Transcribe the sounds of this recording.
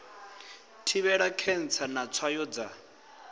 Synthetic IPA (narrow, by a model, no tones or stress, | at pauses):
tʰiβɛɺakʰɛn̩t͡sʰanat͡sʰwajɔd͡za